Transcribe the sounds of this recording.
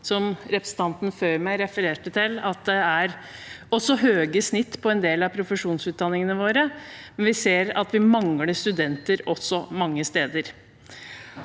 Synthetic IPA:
sɔmɾɛpɾəsn̩t̪ʰɑnt̪nføʏɾmæɪɾɛfəɾeːʈət̪ʰɪlɑt̪̚d̪ɛæɾ | ɔsɔɦøːɡəsnɪt̪ːpʰɔɛnd̪eːlɑpʰɾʊfəʂuːnsʉːt̪̚d̪ɑnːɪŋənəʋoːɾəmɛnʋɪseːɾɑ̰t̪ʋɪmɑŋːləst̪ʉd̪ɛnt̪əɾɔsːɔmɑŋːəst̪eːd̪əɾ

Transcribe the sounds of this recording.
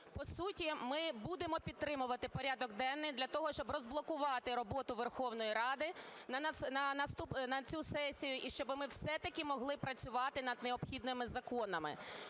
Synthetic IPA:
pɔsutʲimɪbud̪emɔpʲid̪̚t̪ɾɪmʊʋɐt̪ɪpɔɾʲad̪ɔɡd̪ɛnːɪjd̪lʲɐt̪ɔɦɔʃt͡ʃɔbrɔzblˠɔkʊʋɑt̪ɪɾɔbɔt̪ʊʋerxɔwnɔjiɾɑd̪ɪnɐɐnɐnɐst̪upnɐt͡sʲusɛsʲijʊʔiʃt͡ʃɔbɪmɪwsɛt̪ɐkʲimɔɦlˠɪpɾɐt͡sʲʊʋɑt̪ɪnɐd̪neɔpxʲid̪nɪmɪzɐkɔnɐmɪ̰

